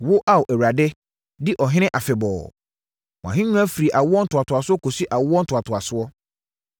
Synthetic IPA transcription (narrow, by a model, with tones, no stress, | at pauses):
wʊ˦ʔa˦wʊ˨ʔɛ˨wa˨dɪ˦ | dɪ˦ʔɔ˨ɦɪ̃˦nɪ̃˦ʔa˨fɛ˨bɔ̰ː˨ | mɔ̃˨ã̰˨ɦɪ̃˦ɲũ˦a˦fi˨ɾi˨ʔa˨wʊ˦ɔ˦n̩˦tʰʊ˨a˨tʰʊ˨a˨sʊ˦ɔ˦kʰo˨si˦ʔa˨wʊ˦ɔ˦n̩˦tʰʊ˨a˨tʰʊ˨a˨sʊ˦ɔ˦